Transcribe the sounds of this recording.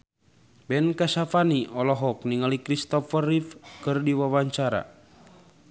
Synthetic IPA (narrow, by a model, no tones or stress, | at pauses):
bɛnkasafaniɔlɔɦɔk̚niŋalikɾist̪ɔfərifkɨrdiwawaɲt͡ʃaɾa̰